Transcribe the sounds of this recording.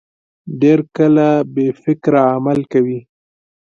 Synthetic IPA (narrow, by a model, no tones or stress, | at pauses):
ɖeɾkəlabefɪkɾaamalkawi